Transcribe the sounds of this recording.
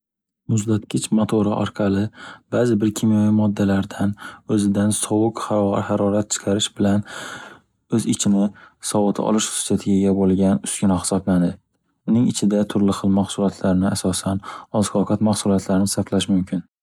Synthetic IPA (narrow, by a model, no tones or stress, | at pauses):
mʊzd̪at̪kʲʰɪt͡ʃmot̪ʰoɾaʔɒɾqʰɑlɪb̥aːzɪbɪɾkʲʰimjavimɒd̪ːalaɾd̪anɵzɪd̪ansɒwʊqhhaɾɒɾat̪̚t͡ʃʰɪ̥qʰɑɾɪʃbɪlan | ɵzɪt͡ʃʰɪnɪsɒwɨt̪ʰa̰ʔɒ̰lˠɪʃχʊ̥sat̪ʰɪɡʲaɡʲabolˠɡʲanʊskʲɪnɒχhɪ̥sɒpland̪ɪ | ʊnɪŋɪt͡ʃʰɪd̪at̪ʰʊɾlɪχɨlˠmaχsʊlˠɒt̪ʰlaɾnɪasɒsanɒzkʰɒqʰɑt̪mahsʊlˠɒt̪ʰlaɾɪnɪsaflaʃmʊmkʲʰɪn